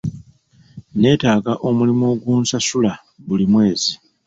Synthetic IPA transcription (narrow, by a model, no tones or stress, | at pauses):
ne̞ːtaːɡaʔo̞mulimo̞ɡwuːnsasula | βulimwe̞ːzi